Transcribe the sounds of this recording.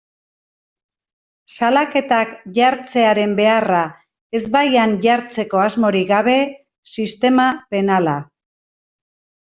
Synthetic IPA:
salake̞t̪akʝaɾt͡se̞aɾe̞mbe̞ara | e̞zβajanʝaɾt͡se̞ko̞azmo̞ɾiɡaβe̞ | sist̪e̞mape̞nala

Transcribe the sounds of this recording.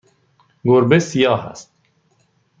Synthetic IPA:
ɡoɾbesijɑːɦa̰st̪̚

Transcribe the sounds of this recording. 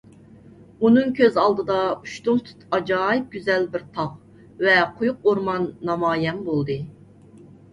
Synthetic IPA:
unɨŋkʲʰøzɑlˠd̪ɨd̪ɑuʃt̪uŋt̪ʰy̥t̪ɑd͡ʒɑːjɨp̚ɡʲyzɛlbɪɾt̪ʰɑʁ | vɛqʰojʊq̚oɾmɑnːɑmɑːjɛnbolˠd̪ɨ

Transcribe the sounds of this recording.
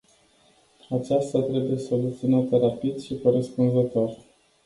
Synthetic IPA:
at͡ʃast̪at̪ɾe̞buje̞so̞lut̪siunat̪əɾapid̪ʃikoɾespunzət̪o̞r

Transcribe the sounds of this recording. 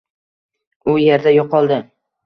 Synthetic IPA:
ʊje̞ɾd̪ajoqʰɒlˠd̪ɪ

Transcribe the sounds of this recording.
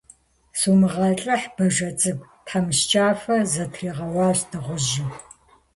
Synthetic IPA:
suːmɨʁɐɬʼɐħb̥ɐʒɐt͡sʼɨɡ̚ʷtʰħamɨɕt͡ʃʼaːfɐzɐtʰriːʁɐwɑːɕdɨʁʷʊʒɪ

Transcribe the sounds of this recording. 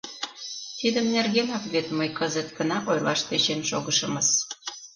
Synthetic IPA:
t̪id̪əmnerɣemɑkβet̪məjkəzət̪ɡənɑʔojlɑʃt̪et͡ɕenʃoɣəʃə̆məs

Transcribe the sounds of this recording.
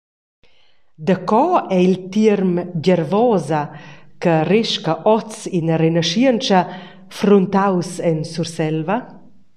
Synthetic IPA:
d̪əkɔɛilt̪iəɾmɟəɾvɔːzɐkəriʃkɐʔɔt͡sinrenəʃiənt͡ʃɐ | fɾunt̪awsɛnsuɾsɛlvɐ

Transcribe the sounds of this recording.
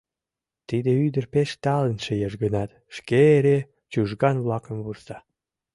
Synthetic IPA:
t̪id̪eyd̪ərpeʃt̪ɑlənʃejɑʒɡənɑt̪ | ʃkeeɾe | t͡ɕuʒɡɑnβlɑkə̆mβursɑ

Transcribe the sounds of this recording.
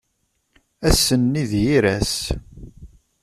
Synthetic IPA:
æsːənːiðjiɾæs

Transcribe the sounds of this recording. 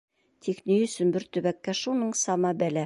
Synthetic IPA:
t̪ʰixnijɵ̆sɵnbɘɾt̪ɵ̆βækːæʃunɤɴsɑmɑbælæ

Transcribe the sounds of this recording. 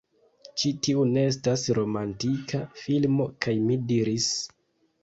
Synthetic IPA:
t͡ʃitiune̞es̬tasɾo̞mantikʰafilmo̞kajmidiɾis

